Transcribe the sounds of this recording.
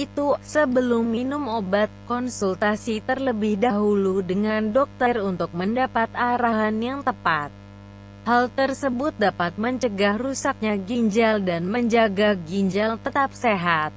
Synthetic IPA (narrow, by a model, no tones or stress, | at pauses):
ʔit̪usəbəlʊmːinʊmobat̪̚kɔnsult̪asit̪ərləbɪhdaɦuludəŋandɔk̚t̪ərunt̪ʊk̚məndapat̪aɾaɦanjaŋt̪əpat̪̚ | halt̪ərsəbʊt̪̚dapat̪̚məɲt͡ʃəɡahrusak̚ɲaɡiɲd͡ʒaldanməɲd͡ʒaɡaɡiɲd͡ʒalt̪ət̪ap̚seɦat̪̚